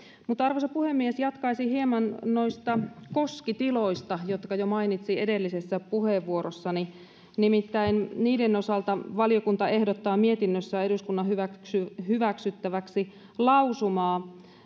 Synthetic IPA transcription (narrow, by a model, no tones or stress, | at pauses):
mut̪ɑrʋosepuhemːiesjɑt̪kɑisihiemɑnnoist̪ɑkoskit̪iloist̪ɑjot̪kɑjomɑinit̪siedelːisesːæpuheːʋːuorosːɑni | nimit̪ːæinniːdenosɑlt̪ɑʋɑlijokunt̪ɑehdot̪ːɑːmiet̪inːøsːæeduskunːɑhyʋæksyhyʋæksyt̪ːæʋæksi | lɑusumɑː